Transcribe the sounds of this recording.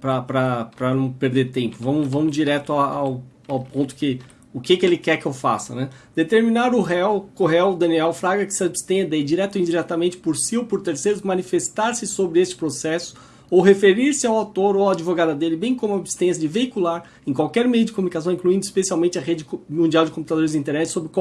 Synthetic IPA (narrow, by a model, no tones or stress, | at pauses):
pɾɐpɾɐpɾɐnɐ̃w̃peɾd̪eɾt̪ẽmpʊvɐ̃mʊvɐ̃mʊd͡ʒiɾɛt̪ʊaaw | awpõnt̪ʊ̥kɪ | ʊkɪkɪelɪkɛɾkɪewfa̰sɐ̰nɛd̪̥et̪eɾmĩnaɾʊɦɛwkoɦɛwd̪ɐ̃niɛwfɾaɡɐkɪ̥sɪabst̪ẽɐd̪ejd͡ʒiɾɛt̪ʊĩd͡ʒiɾɛt̪ɐmẽnt͡ʃɪ̥poɾsiowpoɾt̪eɾsejɾʊzmɐ̃nifest̪aɾsɪsobɾɪest͡ʃɪ̥pɾosɛsʊ̥ | owɦefeɾiɾsɪawawt̪oɾoaad͡ʒivoɡad̪ɐd̪elɪbẽj̃kõmʊabst̪ẽsjɐd͡ʒɪveikulaɾ | ẽkwawkɛɾmejʊd͡ʒɪkomunikas̬ɐ̃w̃ĩkluĩnd̪ʊispesiawmẽnt͡ʃɪɐʁed͡ʒɪmũnd͡ʒiawd͡ʒɪkõmput̪ad̪oɾɪzd͡ʒĩt̪eɾnɛt͡ʃɪ̥sobɾɪkwa